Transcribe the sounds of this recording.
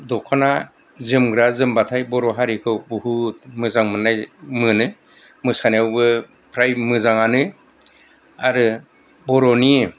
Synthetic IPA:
dɔkʰana | zɯmɡɾazɯmbatʰajbɔɾɔɦaɾikʰɯwbuhutmɯzaŋmɯnːajmɯnɯ | mɯsaniawbɯ | pʰɾajmɯzaŋanɯ | aɾɯ | bɔɾɔni

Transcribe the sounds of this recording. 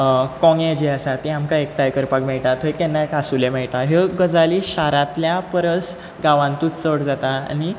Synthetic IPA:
kɔ̃ŋẽd͡ʑiasat̪iamkaek̚ʈajkəɾpakmɛɭt̪at̪ɦəjkɛnːakasulemɛɭt̪aɦeɡəd͡zaliɕaɾãt̪ljapəɾəs | ɡaʋãnt̪uːt̪t͡səɽd͡zat̪aa̰ni

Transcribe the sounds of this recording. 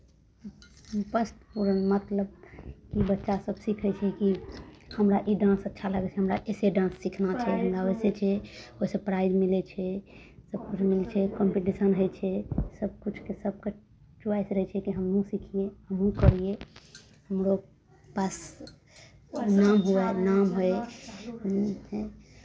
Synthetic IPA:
pəst̪puɾənmət̪ləbkibətːʃasəbsikʰɛt͡ʃʰɛkihəmɾaʔiɖãnsətːʃʰaləɡɛt͡ʃʰɛɦəmɾaʔeseɖãnsːikʰnat͡ʃʰɛɦəmɾaojset͡ʃʰɛosepɾaɪd͡ʒmilɛt͡ʃʰɛ | səb̚kut͡ʃʰmilt͡ʃʰɛkɔmpiʈisənɦojt͡ʃʰɛsəb̚kut͡ʃʰkesəb̚ke | t͡ʃuajsɾəɛt͡ʃʰɛkiɦəmnũsikʰieəɦũkəɾije | həmɾo | pas | namɦuɛnamɦoe

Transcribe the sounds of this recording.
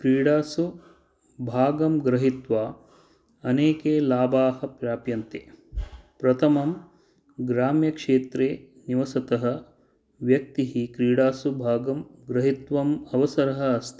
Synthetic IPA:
kɾiːɽaːsu | bʱaːɡɐmɡɾɐɦit̪ʋaː | ɐneːkeːlaːbaːɦɐ̆pɾjaːpjɐnt̪eːpɾɐt̪ʰɐmɐm | ɡɾaːmjɐkʂeːt̪ɾeː | niʋɐsɐt̪ɐɦɐ̆ | ʋjɐk̚t̪iɦikɾiːɽaːsubʱaːɡɐmɡɾɐɦit̪ʋɐmɐʋɐsɐɾɐɦɐ̆ːst̪ʰi

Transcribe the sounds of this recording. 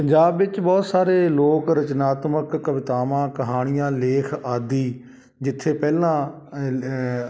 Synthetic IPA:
pəɲd͡ʒaːbʋɪt͡ʃbɔːt̪saːɾeːloːkɾət͡ʃnaːt̪məkːəʋɪt̪aːmãːkəɦaːɽ̃ɪjãːleːkʰaːd̪iː | d͡ʒɪt̪ʰːeːpɛːlãː

